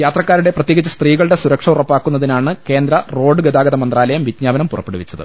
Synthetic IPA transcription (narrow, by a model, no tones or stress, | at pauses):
jaːt̪rɐkːaːɾuɽe̞prɐt̪ːjeːɣit͡ɕːɐst̪riːɣɐɭɨɽe̞suɾɐkʂɐurɐpːaːkːunːɐðinaːɳɨke̞ːnd̪ɾɐro̞ːɖɨɡɐd̪aːɡɐðɐmɐnd̪raːlɐjɐmʋid̪ɲaːbɐnɐmpurɐpːeɽuʋit͡ɕːɐðɨ̰